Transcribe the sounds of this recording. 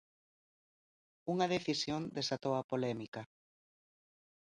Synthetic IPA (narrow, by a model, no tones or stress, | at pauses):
uŋɐðeθisjond̪esat̪owapolɛmikɐ